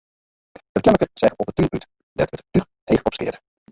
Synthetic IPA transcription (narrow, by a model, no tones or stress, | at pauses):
ət̚kɛnləkəsɛχəɔpətyʔyt | ddɛtətyr | hejftɔpskɪ̰ət